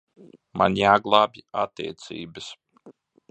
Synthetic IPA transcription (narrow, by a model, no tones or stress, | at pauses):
ma̰njaːɡlˠaːbʲat̪ːḭːt̪sḭːbəs